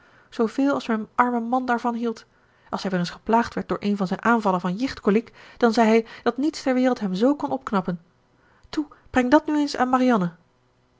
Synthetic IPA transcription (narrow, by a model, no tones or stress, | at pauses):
z̥owv̥ɪːlˠɑlˠsmɛnʔɑɹməmɑndaːɹvɑnɦilˠt | ʔɑlˠsɦɛjʋɛːɾənsχə̥plaːχtʋɛɹt̚dʊːɹʔejnvɑnzɛjnʔaːnvɑlənvɑnjɪχtkolikd̥ɑnzɛjɦɛjd̥ɑtnitstɛɹʋɪːrəlˠtɦɛmzowkɔnɔp̚knɑpən | tub̥rɛŋdɑtnyejnsa̰ːnmarijɑnə